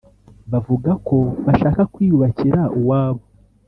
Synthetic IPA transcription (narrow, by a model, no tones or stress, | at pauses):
βavuɡako̞βaʃaːkakwiːjuβaciɾaʔuwaːβo